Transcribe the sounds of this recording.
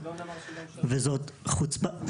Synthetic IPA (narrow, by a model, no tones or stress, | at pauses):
vezot̪χut͡sba